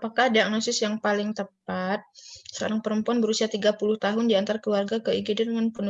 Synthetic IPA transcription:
apakahdiak̚nosɪsjaŋpalɪŋt̪əp̚at̪̚sə̥ka̰ɾaŋpəɾəmpuanbəɾusiat̪iɡapulʊht̪aɦʊndiant̪aɾakəlwarɡakəiɡidɪnmənpunu

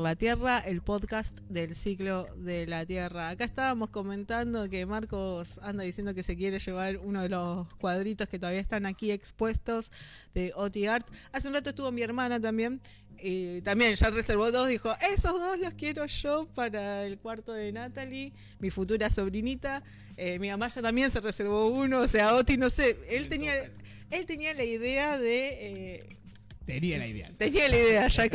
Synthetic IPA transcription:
lat̪je̞raʔe̞lpo̞ðkast̪d̪e̞lsikloðelat̪jeraːkaest̪aβamo̞sko̞mẽ̞nt̪and̪o̞ke̞maɾko̞sand̪aðisje̞nd̪o̞ke̞se̞k̬je̞ɾe̞ʃe̞βaɾunoð̞elo̞skwað̞ɾit̪o̞sket̪o̞aβiaest̪anakie̞kspwe̞st̪o̞z | ðe̞ʔot̪iaɾt̪aseunrat̪oest̪uβo̞mieɾmanat̪̬ambje̞n | it̪ambje̞nʒareseɾβo̞ðo̞zðixo̞ʔe̞so̞zðo̞zlo̞skje̞ɾo̞ʃo̞paɾaelkwaɾt̪o̞ðe̞nat̪ali | mifut̪̬uɾaso̞βɾinit̪a | emimamaʒat̪ambje̞nse̞reseɾβ̞o̞uno̞ːse̞aot̪inoseelt̪enia | e̞lt̪e̞nialaiðe̞aðe̞e | t̪enialaiḛa̰t̪e̞nialaiðeaʒa

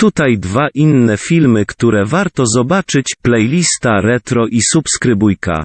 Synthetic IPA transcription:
t̪ut̪ajd̪vaʔinːɛfʲilmɘkt̪uɾɛvaɾt̪ɔzɔbat͡ʂɘt͡ɕplɛjlʲist̪aɾɛt̪ɾɔʔisupskɾɘbujka̰

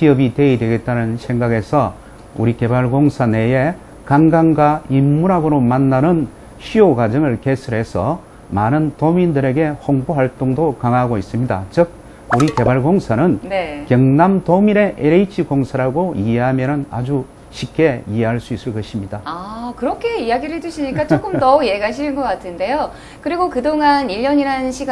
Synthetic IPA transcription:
ɕiʌbite̞idwe̞ɡe̞t̚t͈anɯnsʰe̞ŋɡaɡe̞sʰʌ | uɾike̞baɭɡoŋsʰane̞je̞ | kaŋɡaŋɡaimːuɾɦaɡɯɾomanːanɯn | ɕʰioɡad͡ʑʌŋɯɭke̞sʰɯɾɦe̞sʰʌ | manɯntomindɯɾe̞ɡe̞hoŋboɦaɭt͈oŋdokaŋaɡois͈ɯmɲida̰t͡ɕɯk̚ | uɾike̞baɭɡoŋsʰanɯnne̞kjʌŋnamtomiɾe̞ʔeɾeit͡ɕʰikoŋsʰaɾaɡoieɦamjʌnɯna̰d͡ʑu | ɕʰip̚k͈e̞iɦeɦaɭs͈uis͈ɯɭk͈ʌɕʰimɲidaakɯɾʌkʰe̞ijaɡiɾɯetuɕʰiɲik͈at͡ɕok͈ɯmtʌuje̞ɡaɕʰiɯnɡʌk͈atʰɯnde̞jo | kɯɾiɡokɯdoŋaniʎːʌɲiɾanɕʰiɡ

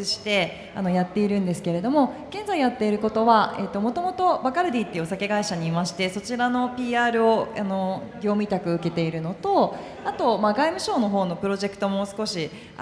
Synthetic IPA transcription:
ɨɕi̥t̪e̞ | ano̞jat̪ːe̞iɾɯ̟̃nd̪e̞sɨ̥ke̞ɾe̞d̪o̞mo̞ɡ̥ẽ̞nd͡zaijat̪ːe̞iɾɯ̟ko̞t̪o̞βae̞t̪ːo̞mo̞t̪o̞mo̞t̪o̞bakaɾɯ̟d̪ʲiːt̪ːeɯosake̞ɡaiɕaɲ̟iːmaɕi̥t̪e̞so̞t͡ɕiɾano̞pʲiːaːɾɯ̟o̞ano̞ɡʲo̞ːmʲit̪akɯ̟ɯ̟ke̞t̪e̞iɾɯ̟no̞t̪o̞ | at̪o̞maɡaimɯ̟ɕo̞ːno̞ɦo̞ːno̞pɯ̟ɾo̞ʑe̞kɯ̟̥t̪o̞mo̞sɨ̥ko̞ɕi

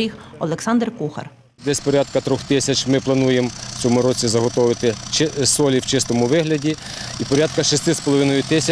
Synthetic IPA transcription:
ɾʲixɔlˠeksɑnd̪rkuxɐ̰r | d̪ɛsʲpɔɾʲat̪kɐt̪ɾɔxt̪ɪsʲɐt͡ʃmɪplˠɐnujemt͡sʲɔmʊɾɔt͡sʲizɐɦɔt̪ɔʋɪt̪ɪsɔlʲiwt͡ʃɪst̪ɔmʊʋɪɦlʲɐdʲi | ipɔɾʲat̪̚kɐʃɪst̪ɪspɔlˠɔʋɪnɔjʊt̪ɪsʲɐ

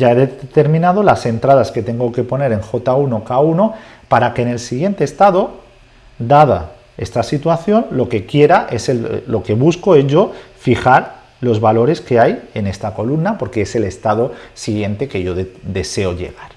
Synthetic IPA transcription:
ɟ͡ʝaeðet̪e̞ɾmĩnað̞o̞lase̞nt̪ɾað̞aske̞t̪e̞ŋɡo̞ke̞po̞ne̞ɾe̞ŋxo̞t̪auno̞kauno̞ | paɾake̞ːne̞lsiɣje̞nt̪eːst̪að̞o̞ | d̪aða̰ | e̞st̪asit̪waθjo̞nlo̞ke̞kje̞ɾaʔe̞selo̞ke̞β̞usko̞e̞zʝo̞fixaɾ | lo̞zβalo̞ɾe̞ske̞aje̞ne̞st̪ako̞lumnapo̞ɾke̞ese̞le̞st̪að̞o̞siɣje̞nt̪e̞ke̞ʝo̞d̪e̞se̞o̞ʎe̞̰ɣ̞aɾ

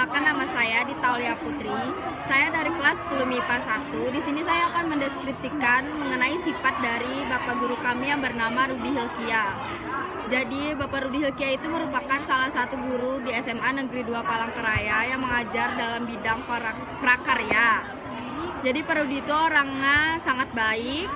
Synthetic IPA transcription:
akanːamasajadit̪auliaput̪ɾisajadaɾikəlasːə̥pulumipasat̪udisinisajaːkanməndɛskɾip̚sikanməŋənaisipat̪̚daɾibapaɡuɾukamijaŋbərnamaɾudiɦilkia | d͡ʒadibapaɾudiɦilkiait̪uməɾupakansalahsat̪uɡuɾudiɛsɛmanəɡɾiduapalaŋkəɾajajaŋməŋad͡ʒardalambidaŋpaa | pɾakərja | d͡ʒadipəɾodit̪ooɾaŋasaŋat̪̚baɪk̚

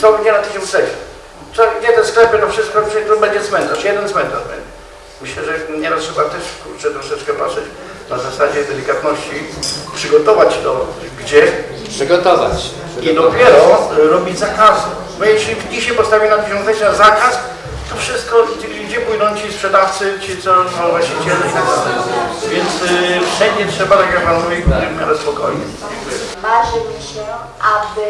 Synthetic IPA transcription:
t̪ɔɡɲɛnat̪ɘɕɔ̃nt̪sɛɕɛ | t̪sɔɡd͡ʑɛt̪ɛsklɛpɘt̪ɔfʂɪst̪̚kɔɛt̪ɔbɛɲd͡ʑɛzmɛnt̪aʂjɛd̪ɛnzmɛnt̪a̰ʐbɛ̰ɲd͡ʑɛ | mɘɕlɛʐɛɲɛɾast̪ʂɛbat̪ɛʂkuɾt̪sɛt̪ɾɔʂɛt͡ʂkɛpa̰ʂɛt͡ɕ | nazasad͡ʑɛd̪ɛlʲikat̪nɔɕt͡ɕipʂɨɡɔt̪ɔvat͡ɕt̪ɔ | ɡd͡ʑɛpʂɨɡɔt̪ɔva̰t͡ɕ | id̪ɔpʲjɛɾɔɾɔbʲid͡ʑzakasu | bɔjɛkʂɛid͡ʑiɕajpɔst̪avʲinat̪ɔvʲjɔ̃zat͡ɕnazakas | t̪ɔfʂɘst̪̚kɔ | ɡd͡ʑɛpujd̪ɔ̃w̃t͡ɕispʂɛd̪aft̪sɘt͡ɕɨt̪sɔavwaɕit͡ɕɛlʲɛit̪aɡd̪alɛ̰jvʲjɛnt̪sfʂɛɲd͡ʑɛtʂɛbat̪akʲjak̚panmuvʲivaɛvmʲa̰ɾɛspɔkɔjɲɛ̰ | ɛmaʐɨmɕɛ | ʔabɪ

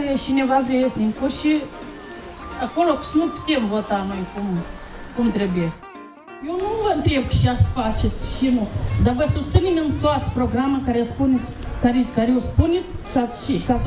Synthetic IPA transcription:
eʃinevavɾejesʲnʲiŋkuʃi | akolokɨ̥snupu̥t̪emvot̪amonʲkum | kumt̪ɾebuje | jewnuvənt̪ɾeb̚kʃiasə̥fat͡ʃet̪sʲʃinud̪avəsusɨnimʲɨnt̪oat̪ə̥pɾoɡɾamakaɾespunet̪sʲkaɾekaɾeospunʲet̪sʲkasʃikas

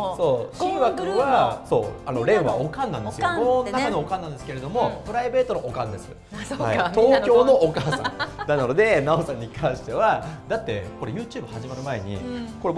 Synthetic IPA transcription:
so̞ːɕiːɡakɯ̟βaso̞̰ːano̞ɾe̞ːɯβa̰okãnːãnd̪e̞sɨjɡonnakaɲiokãnːãnd̪esɨ̥ke̞ɾe̞d̪o̞mo̞pɯ̟ɾaibe̞ːt̪o̞noʔokãnd̪e̞sɨ̰ | ha̰it̪oːkʲo̞ːno̞ːkaːsã̰ŋd̪anano̞d̪e̞naosãɲ̟ːikãɰ̃ɕi̥t̪e̞βad̪at̪ːe̞̰ko̞ɾe̞jɯ̟ːt͡ɕɯːbɯ̟haʑimaɾɯ̟mae̞ɲ̟ḭko̞ɾe

